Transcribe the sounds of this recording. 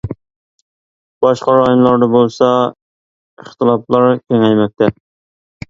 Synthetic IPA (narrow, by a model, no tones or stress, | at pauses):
b̥ɑʃqɑɾɑjumlˠɑɾd̪ɑbolˠsɑ | iχt̪ʰɨlˠɑplˠɑɾkʲʰɛŋɛjmɛk̚t̪ʰːɛ